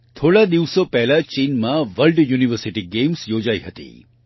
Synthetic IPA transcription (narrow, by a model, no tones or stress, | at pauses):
t̪ʰoɭad̪iʋsopɛɦlat͡ʃinmãʋəlɖjuːniʋəɾsiʈiɡemsjod͡ʒaiɦət̪ḭ